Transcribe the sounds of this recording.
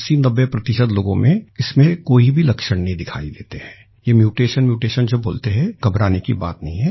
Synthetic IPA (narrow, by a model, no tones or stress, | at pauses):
siːnɐbːepɾɐt̪ɪʃəd̪loːɡõmẽɪsmẽkoːibʱilɐkʃəɽ̃nɐɦĩd̪ɪkʰa̰ːid̪eːt̪eɦɛ̃ː | jemjuːʈeːʃənmjuːʈeːʃənd͡ʒɐbboːlt̪eɦɛɡ̥ɐbɾaːnekḭba̰ːt̪nɐɦĩɦɛː